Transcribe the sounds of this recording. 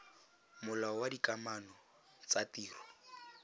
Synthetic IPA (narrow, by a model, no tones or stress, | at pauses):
mʊlaɔwadikamanɔ | t͡satiːrɔ